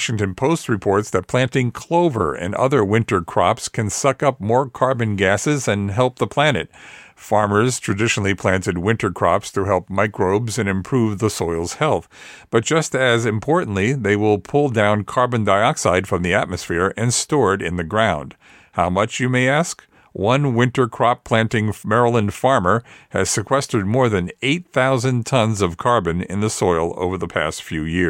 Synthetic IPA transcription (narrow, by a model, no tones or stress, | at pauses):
wʃɪ̃ŋtɨ̃npʰoʊst̚ɹɨpʰɔɹtsðɨt̚pʰl̥æ̃ntɪ̃ŋkʰl̥oʊvə̰˞ʔɨ̰̃nʌ̰ðə˞wɪ̃ntə˞kʰɹ̥ɑ̰pskʰɨ̃nsʌkʌp̚mɔɹkʰɑɹbɨ̃nɡæsɨzɨ̃nɦɛlˠp̚ðəpʰl̥ænɨ̰t̚fɑɹmə˞z̥tʰɹ̥ɨdɪʃn̩l̩ˠipʰl̥æ̃ntɨd̚wɪ̃ntə˞kʰɹ̥ɑ̰pstʰɨɦɛlˠp̚maɪkɹoʊbzɨ̃nɨ̃mpʰɹ̥uvðəsɔɪlˠz̥hɛlˠθb̥ʌt̚d̥ʒ̥ʌstɨzɨ̃mpʰɔɹʔn̩ʔliðeɪwɪlˠpʰʊlˠdãʊ̃nkʰɑɹbɨ̃ndaɪɑksaɪd̥fɹʌ̃mðiæt̚mɨsfɪɹɨ̃nstɔɹɾɪ̰̃nðɨɡɹãʊ̃nd̥ | haʊmʌt͡ʃjɨmeɪæsk | wʌ̃nwɪ̃ntə˞kʰɹ̥ɑpʰl̥æ̃ntɪ̃ŋmɛɹəl̩ˠə̃nfɑɹmə˞ɨz̥sɨkʰw̥ɛstəd̚mɔɹðɨ̃neɪt̪̚θaʊzɨ̃ntʰʌ̃nzʌv̥kʰɑɹbɨ̃nɪ̰̃nðəsɔɪlˠo̰ʊvə˞ðəpʰæ̰stfjʉjɪɹ